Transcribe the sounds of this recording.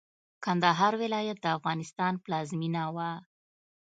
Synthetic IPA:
kand̪aɦɑɾwɪlɑjat̪̚d̪əafɣɑnɪst̪ɑnplɑzminawa

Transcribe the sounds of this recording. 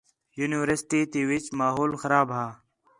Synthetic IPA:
juːniʋəɾsʈiːt̪iːwit͡ʃmaːɦoːlxɐɾaːbɦaː

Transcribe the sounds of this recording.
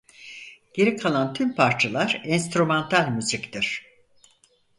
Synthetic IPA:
ɟ̥e̞ɾikʰalˠant̪ʰympʰaɾt͡ʃʰalˠaɾɛnst̪ɾumɛnt̪ʰalʲmyzict̪ʰiɾ̝̥

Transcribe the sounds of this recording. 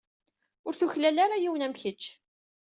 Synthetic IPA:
ʊɾθuçlælaɾajiwənæmçət͡ʃː

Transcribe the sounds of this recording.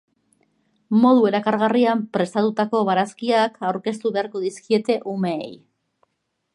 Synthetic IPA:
mo̞ð̞ue̞ɾakaɾɣariampɾe̞st̪at̪ut̪ako̞βaɾaskiakawɾke̞st̪uβe̞aɾko̞ðiskie̞t̪e̞ʔume̞ḛj

